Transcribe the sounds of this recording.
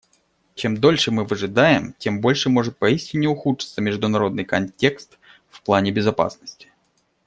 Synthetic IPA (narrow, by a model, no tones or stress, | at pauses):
t͡ɕe̞md̪o̞lʲʂɨmɨvɐʐɨd̪ajɪmtʲe̞mbo̞lʲʂɨmo̞ʐɨt̪̚pɐisʲtʲɪnʲːɪʊxut͡ʂɨ̥t̪səmʲɪʐd̪ʊnɐɾo̞d̪nɨjkɐnʲtʲe̞kst̪ | fplˠanʲɪbʲɪzɐpa̰snəsʲtʲɪ̥